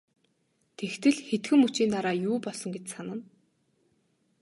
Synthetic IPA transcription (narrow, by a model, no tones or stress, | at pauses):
t̪ʰext̪ɘ̆ɮxet̪xɘ̆mut͡ɕiːnt̪aɾaːjuːpɔɮsɞ̆ŋɡet͡ɕsanə̆n